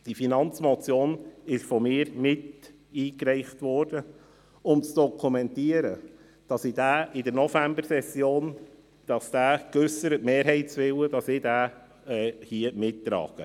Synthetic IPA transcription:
d̥ifinɑnt͡smɔt͡sjoːnɪʃfɔmɪːɾmɪt | iːkɾɛɪχtʋɔrd̥ə | ʊmt͡sd̥ɔkʰumɛntiːəɾə | d̥ɑsɪd̥æːʔɪdəɾnɔfæmbəɾsɛsjoːn | d̥ɑsd̥æːkʏsəɾətmeːɾɦɛɪtsʋɪwəd̥ɑsɪdæː | ɛhiəmɪtːɾɑ̰ːɡ̥ə

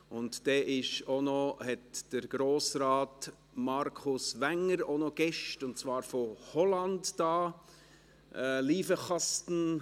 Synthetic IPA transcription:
ʊntd̥ɛːʔɪʃonohɛtd̥əɾɡ̥ɾoːsɾaːt | mɑɾkʰʊsʋæŋəɾonoɡ̥ɛʃtʊntt͡svɑːɾfohɔlɑndd̥ɑː | ʔɛliːfəχɑstn̩

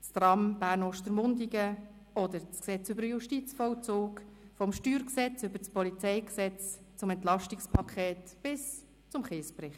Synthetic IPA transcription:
st̪rɑmb̥æːɾnɔʃtəɾmʊndiɡə | ɔd̪əɾt͡sksɛt͡sʏbəɾjuʃtit͡sfɔlt͡soːkfɔmʃtyːɾksɛt͡sʏbət͡spɔlit͡sɛɪksɛt͡s | t͡sʊmɛnt̪lɑʃtikspʰɑkʰɛːtb̥ɪs | t͡sʊmχeːsprɪχt

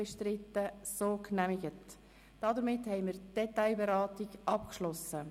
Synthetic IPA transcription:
ɛʃtɾɪtːəsoːknæmɪɡət | d̥ɑdəɾmɪthɛɪmɪːɾtd̥ɛtaɪbɛɾɑːtɪɡʔɑp̚kʃlɔsə

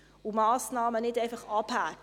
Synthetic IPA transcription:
umɑːsnɑːmənɛtejnfɑχɑphæk

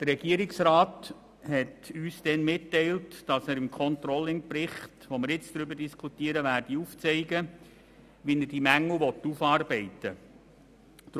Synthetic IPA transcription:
d̥ərɾɛɡiəɾɪksɾɑːt | hɛtyːsd̥ɛnmɪtːɛɪltd̥ɑsæːɾɪmkʰɔnt̪ɾɔlːɪŋprɪχtʋomɪɾɪt͡sd̥̪ɾʏbəɾd̥iskʰutiːəɾəʋæːɾd̥iuft͡sɛɪɡə | ʋinərd̥imæŋːl̩ʋɔtːufɑːrbɛɪtə | t

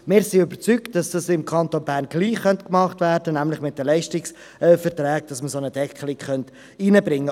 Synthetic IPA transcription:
mɪːɾsiøbəɾt͡sykt̚d̥ɑsd̥ɑsɪmkʰɑntonbæːɾnɡ̥liːχχːœntkmɑχtvæːɾd̥ənæmlɪχmɪt̚dəlɛɪʃtɪks | ɛfəɾtɾæːk̚d̥ɑsməsonəd̥ɛkʰəlɪkχœnt | iːnəbɾɪŋːə

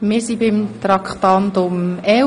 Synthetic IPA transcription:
mɪːɾsibɪmt̪ɾɑkχt̪ɑnt̪ʊmɛ

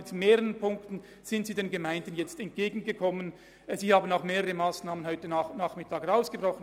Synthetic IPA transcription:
ɪtmeːʁəənpʰʊŋktn̩ | z̥ɪntsiːdeːnɡəmaɪndən̩jɛt͡stɛnt̚ɡ̥eːɡn̩ɡəkʰɔmən | ziːhaːbən̩aʊxmeːʁəʁəmaːsnaːmənɦɔʏtəanaːχmɪtʰaːkaʊsɡ̥əbʁɔχn

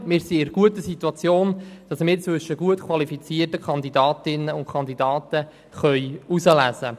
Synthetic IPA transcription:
mɪːɾsiɪɾɡ̥uətəsituɑt͡sjoːnd̥ɑsmɪːɾt͡sʋʏʃːəɡ̥uətkʰwɑlifit͡siːərtəkʰɑnd̪idɑːtɪnːəʊntkʰɑnd̪idɑːtə | χœʏusəlæzə

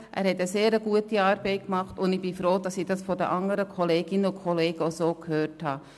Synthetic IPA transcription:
ʔæ̰ːɾhɛtəseːɾəɡuətiɑːɾb̥ɛɪkmɑχtʊndɪb̥ifɾoːdɑsiːd̥ɑsfɔdəʔɑŋəɾəkʰɔleːɡɪnəʊkʰɔleːɡ̥əosoːkhøːrthɑː

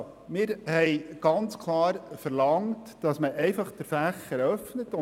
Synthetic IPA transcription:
mɪːɾhɛjɡ̥ɑnt͡skʰlɑːɾfəɾlɑŋt | d̥ɑsməʔɛɪfɑχd̥əɾfæχəɾœfnətʊ

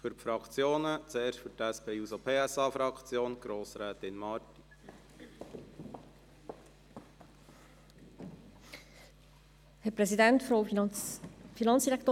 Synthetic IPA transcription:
fyɾpfɾɑkʰt͡sjoːnət͡seːɾʃfyɾtæspʰeːusopʰeːæsɑːfɾɑkt͡sjoːnɡ̥ɾoːsɾɛːt̪ɪnmɑːɾti̥ | hɛpɾɛsid̪ɛntfɾo | finɑnt͡ssd̪̥iɾɛkʰt̪oː

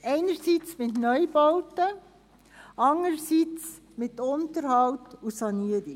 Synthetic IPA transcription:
ɛɪnəɾsiːt͡smɪtnœjbɔʊtə | ɑŋəɾsit͡s | mɪt̪ʊnt̪əɾhɑltusɑniəɾi

